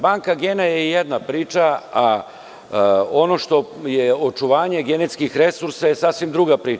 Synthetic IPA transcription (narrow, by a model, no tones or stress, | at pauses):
baːŋkaɡenajejed̪napɾiːt͡ʃaa | o̞no̞ʃt̪o̞jeo̞t͡ʃuʋaːɲe̞ɡenet̪skixɾe̞suɾsaje̞sasʋimd̪ɾuɡapɾiː